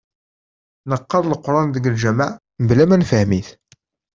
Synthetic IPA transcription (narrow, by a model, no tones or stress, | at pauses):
nəqːɑɾˤləqːɾˤɑnðəɡəlʒæmæʕ | blæmænfəhmiθ